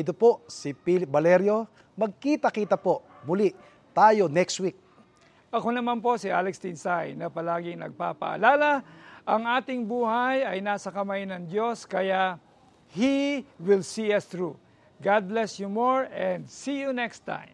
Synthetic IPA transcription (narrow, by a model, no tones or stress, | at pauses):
ʔɪt̪oposipilɪp̚bɐlɛɾjo̞ | mɐɡ̚kiːt̪ɐkiːt̪ɐpo̞ | mʊliʔ | t̪aːjonɛkst̪wik̚ | ʔɐko̞nɐmanpo̞sɪʔa̰lɛkst̪ɪnsajnɐpɐlaːɡɪŋnɐ̰ɡ̚pa̰pɐ̰ʔɐ̰laːlɐʔɐŋaːt̪ɪŋbuːhɐjɐjnaːsɐkɐmajnɐŋd̪jo̞skɐjaʔ | hiwɪlsiɐst̪ɹu | ɡad̪̚lɛsjumoɹɛnd̪siːjunɛkst̪ã̰jm